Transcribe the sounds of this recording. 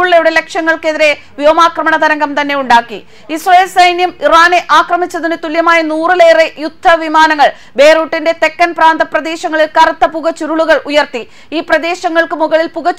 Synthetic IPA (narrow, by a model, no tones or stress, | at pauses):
uɭːɐjuɽele̞kʂɐŋːɐɭke̞ðiɾe̞ | ʋjoːmaːkrɐmɐɳɐd̪ɐɾɐŋɡɐmt̪ɐnːe̞juɳɖaːkːi | isrɐjlsɐjnjɐmiraːne̞ʔaːkrɐmit͡ɕːɐðinɨt̪uljɐmaːjɐnuːrɨle̞ːrejud̪ʱːɐʋimaːnɐŋːɐɭ | be̞ːruːʈːinde̞t̪e̞kːɐnpraːnd̪ɐprɐd̪e̞ːɕɐŋːɐɭilkɐɾɐt̪ːɐpuɣɐt͡ɕuɾuɭuɣɐɭʔujɐrt̪i | iːprɐd̪e̞ːɕɐŋːɐɭkɨmuɣɐɭilpuɣɐ